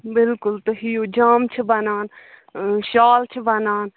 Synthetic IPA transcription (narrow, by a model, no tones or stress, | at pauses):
bɪlkʊlt̪əɦioːd͡ʒaːmt͡ʃʰəbɐnaːn | ʃaːlt͡ʃʰəbɐnaːn